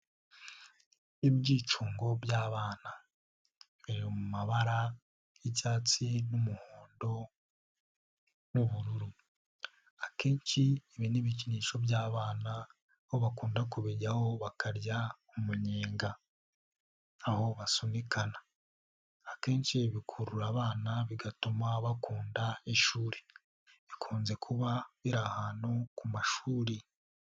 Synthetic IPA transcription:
ibɟiːt͡ʃuːŋɡo̞bjaːβaːna | βiɾiomumaβaɾa | jiɟaːt͡sinumuhoːndo̞ | nuβuɾuɾu | ake̞ːnʃieβiniβiciniːʃo̞bjaːβaːna | hoβakuːndakuβeɟaho̞βakaɾjaumuɲeːŋɡa | ho̞βasunikʰanaː | ke̞ːnt͡ʃiβikʰuɾuɾaːβaːnaβiɡatumaβakuːndaiʃuːɾe̥ | βikʰuːnze̞kʰuβaβiɾahaːnhukumaʃuːɾi

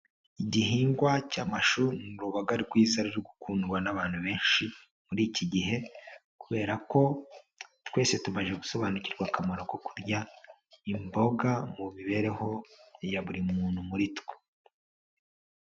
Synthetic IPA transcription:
iɟiɦiːŋɡwacaːmaʃuɾnuɾuβaɡaɾiɾɡwiːzaɾiɾuɡukunuɾwanaβaːn̥huβe̞ːnʃi | muɾiːciɟiɦe̞ | kuβe̞ːɾako̞ | twe̞ːse̞tumaʒeɡuso̞βaːnuciɾɡwakamaɾo̞ko̞kuɾɟa | imbo̞ɡamuβiβe̞ɾe̞ho̞jaβuɾimuːnhumuɾitwe̥

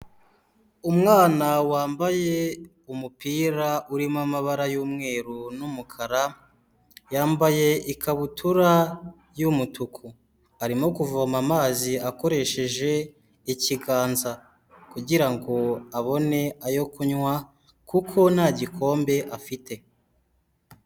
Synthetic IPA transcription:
umŋaːnawaːmbaje̞ | umupiːɾaʔuɾimamaβaɾajuːmŋe̞ːɾunumukʰaɾa | jaːmbaje̞ʔikaβutuɾa | jumutʰukʰu | aɾimo̞kuvamamaːziako̞ɾe̞ʃe̞ʒe̞ | iciɡaːnza | kuɟiɾaŋɡo̞aβo̞ne̞ajo̞kuɲwa | kukʰo̞naɟikʰo̞ːmbe̞ʔafite̞

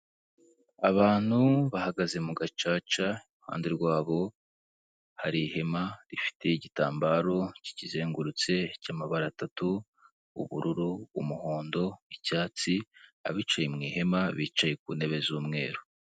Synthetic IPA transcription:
aβaːn̥huβahaɡaze̞muɡat͡ʃaːt͡ʃaiuha̰ːndeɾɡwaːβo̞ | haɾihe̞maɾifi̥tʰe̞iɟitaːmbaɾo̞ci̥cizeːŋɡuɾut͡se̞caːmaβaɾaːtatu | ṵβuɾuɾuːmuhoːndo̞icaːt͡sia̰βiːt͡ʃajemŋiːhe̞maβiːt͡ʃaje̞k̚uːne̞βe̞zuːmŋe̞ːɾo

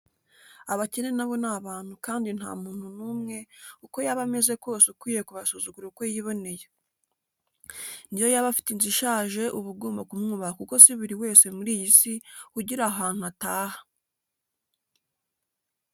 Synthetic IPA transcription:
aβace̞ne̞naβo̞naβaːn̥hukaːndin̥ha̰ːmuːn̥hunuːmŋe̞uko̞jaβame̞ze̞ko̞ːseukwiːje̞kuβasuzuɡuɾeuko̞jiβo̞ne̞je | nijo̞jaβafi̥tinziʃaːʒe̞ʔuβuɡoːmbakumŋuːβahakuko̞siβiɾiwe̞ːse̞muɾiːjisihuɟiɾaɦaːn̥uataːhḁ

